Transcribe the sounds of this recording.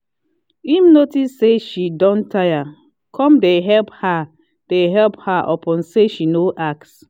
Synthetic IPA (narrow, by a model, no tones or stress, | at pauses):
imnotisːeʃidɔ̃ntaja | kʰɔ̃mdeɦɛlpha | d̥eɦɛlphaʔɔ̰pɔ̃nseʃinoʔak̚s